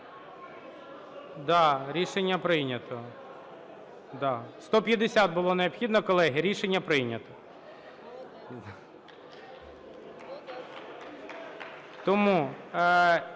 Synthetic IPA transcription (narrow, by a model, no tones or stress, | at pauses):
d̪ɑɾʲiʃenʲːɐpɾɪnʲɐt̪ɔ | d̪ɑst̪ɔpʲjɐd̪esʲat̪̚bʊlˠɔneɔpxʲid̪nɔkɔlˠɛɦɪɾʲiʃenʲːɐpɾɪnʲɐt̪ɔ | t̪ɔmu